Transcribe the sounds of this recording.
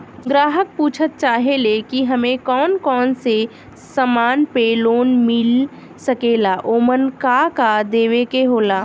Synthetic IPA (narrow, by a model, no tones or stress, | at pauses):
ɡɾaːɦək̚puːt͡ʃʰət̪̚t͡ʃaːɦelekiɦɐmẽkɔːnkɔːnse | səmaːnpeloːnmɪl | səkeːlaʔoːmənkakad̪eːʋekeɦoːlaː